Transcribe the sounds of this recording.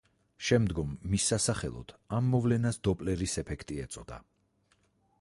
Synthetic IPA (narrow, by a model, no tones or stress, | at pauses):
ʃɛmd̪ɡɔmːisːasaχɛ̰lˠɔ̰d̪̥ʰamːɔvlɛnasd̪ɔpʼlɛɾisɛpʰɛkʰt̪ʼiɛt̪sʼɔd̪a̰